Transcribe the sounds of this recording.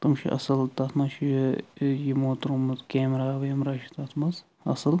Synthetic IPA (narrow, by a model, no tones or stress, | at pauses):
t̪ɨmʃḭʔɐ̰sɐlt̪ɐt̪ʰmɐʃi | jimoːt̪ɾumɨt̪keːmɾaːʋemɾaːʃit̪at̪ʰmɐz | ɐ̰sɐl